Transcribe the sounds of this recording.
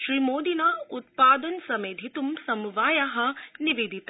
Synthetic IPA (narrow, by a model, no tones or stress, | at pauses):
ʃɾiːmoːd̪inɐut̪̚paːd̪ɐnsɐmeːd̪ʱit̪umsɐmuʋaːjɐɦɐ̆niʋed̪ʱit̪